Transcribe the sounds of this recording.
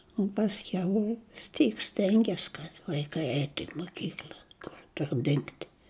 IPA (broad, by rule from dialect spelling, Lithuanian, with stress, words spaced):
ʊ pɐsʲˈkʲɛʊ ʋʲɪs ˈtʲiːk ˈsʲtʲɛŋʲɡʲɛs kɐt ʋɐɪˈkɐɪ ˈɛɪtʊ ɪ moːˈkʲiːklʲɐ ˈkʊr ˈtʊr dʲɪŋkt